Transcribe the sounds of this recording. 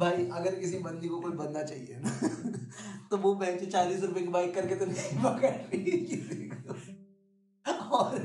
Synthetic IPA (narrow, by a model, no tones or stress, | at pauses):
bʱaːiʔɐɡəɾkɪsibɐ̃nd̪ikokoːt͡ʃbɐnnat͡ʃaːɦiena | t̪oʋopɛɦːt͡ʃet͡ʃaːliːsɾʊpekebaːikkɐɾket̪onɐibɐkəɾlilekɪsiko | ɔːɾ